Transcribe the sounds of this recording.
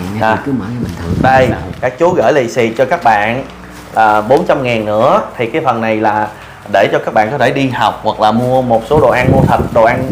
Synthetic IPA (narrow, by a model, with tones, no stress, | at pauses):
a˨˩kɨ˨˦mɔ̰˧˨˦mi˨˩t̪ʰə˨˩ɗə˧jkaː˦˥k̚t͡ɕu˨˦ɣə̰ː˧˩jlḭ˧˨sḭ˨t͡ɕɔ˧kaː˦˥k̚ɓa̰ː˧˨n | əː˨˩ɓo˨˦nt͡ɕa˧mŋaː˨˩nːɨ̰˧˥ət̪ʰi˨˩kaː˨˦jfə˨˩nːa˨˩jlaː˨˩ | ɗe˧˩t͡ɕɔ˧kaː˦˥k̚ɓa̰ː˧˨nkɔ˨˦t̪ʰe˧˩ɗi˧ha˨˩wk͡p̚hwa˨˩k̚laː˨˩mu˧əmo˨˩t̚so˨˦ɗo̰˨˩ʔa˧nmu˧ət̪ʰə˨˩t̚ɗo˨˩ʔa˧n